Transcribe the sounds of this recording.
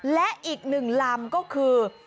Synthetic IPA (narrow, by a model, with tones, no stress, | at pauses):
lɛ˨˦˥ʔi˨˩ək̚nɨ˨˩ŋlaː˨˩mkɔ˨˦kʰɨ˨˩